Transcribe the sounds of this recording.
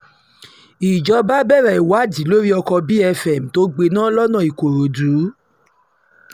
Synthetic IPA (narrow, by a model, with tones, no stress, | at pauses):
i˨d͡ʒɔ˧˦ba˦bɛ˦˨ɾa˨i˨wa˨˦di˨˦lo˦ɾi˦ɔ˧kɔ˧bi˦ɛ˧fɛ˨m̩˨to˦ɡ͡be˧nãː˦lɔ˦nã˦˨i˨ko˨ɾo˨du˨˦